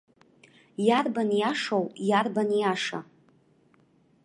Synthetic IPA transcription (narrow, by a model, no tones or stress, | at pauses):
jarbanjaʂowjarbanjaʂa̰